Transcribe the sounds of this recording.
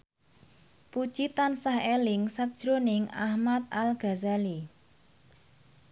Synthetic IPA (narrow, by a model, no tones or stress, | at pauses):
pud̥ʒ̥it̪ansahelɪŋsak̚d̥ʒ̥ɾonɪŋa̰hmat̪̚alɡ̥a̤zali